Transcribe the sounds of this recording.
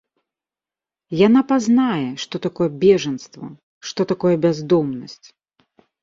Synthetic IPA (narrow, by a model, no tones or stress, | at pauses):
janapaznajɛʂt̪ɔt̪akɔjɛbʲɛʐɐnst̪vɐ̰ | ʂt̪ɔt̪akɔjɛbʲazd̪ɔmnɐsʲt͡sʲ